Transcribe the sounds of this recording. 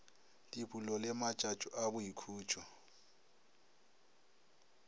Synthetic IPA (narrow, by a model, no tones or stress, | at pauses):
dʼibʼulɔlɪmat͡ʃʼat͡ʃʼʊʔabʊikʰuːt͡ʃʰʼɔ